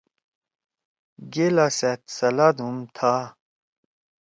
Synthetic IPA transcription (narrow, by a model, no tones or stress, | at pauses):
ɡelaset̪sɐlad̪umt̪ʰa